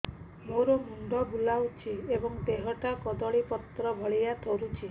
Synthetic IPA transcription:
moɾɔmuɳɖ̪ɔbulawt͡ʃʰiebɔŋd̪eɦɔʈakɔd̪ɔɭipɔt̪ɾɔbʱɔɭijat̪ʰɔɾut͡ʃʰi

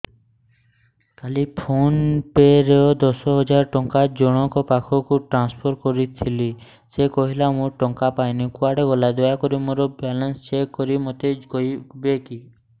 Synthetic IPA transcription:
kalipʰonpeɾeɔd̪ɔsɔɦɔd͡ʒaɾʈɔŋkad͡ʒɔɽ̃ɔŋkɔpakʰɔkuʈɾanspʰɔɾkɔɾit̪ʰili | sekɔɦilamũʈɔŋkapajnikuaɽeɡɔlad̪ɔjakɔɾimoɾɔbalɔnst͡ʃekːɔɾimot̪ekɔibeki

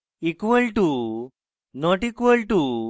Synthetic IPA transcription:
ikʋəlʈu | nɔʈikʋəlʈu

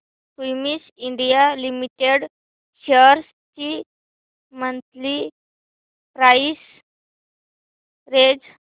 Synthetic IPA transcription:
fujmisiɳɖijalimiʈeɽ | ɕəɾs | t͡ɕi | mənt̪li | pɾais | ɾed͡z

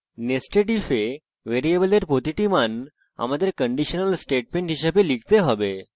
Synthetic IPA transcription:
nesʈeʈife | ʋeɾiebəleɾpot̪iʈiman | a̰mad̪ekəɳɖiɕənəlsʈeʈ̚mẽɳʈɦiɕapeliɡt̪eɦɔʋe

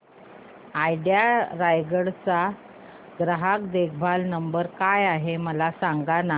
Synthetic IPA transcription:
ajɖjaɾajɡəɽt͡sa | ɡɾəɦakd̪ekʰbʱalnəmbəɾkajaɦeməlasaŋɡana

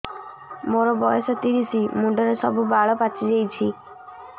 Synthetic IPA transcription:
moɾɔbɔjɔsɔt̪iɾisimuɳɖɔɾesɔ̰bubʱaɭɔpat͡ʃʰid͡ʒejt͡ʃʰi

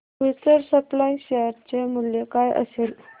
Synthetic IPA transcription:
ʋisəɾsəplaiɕejəɾt͡ɕemuljekajə̰sel

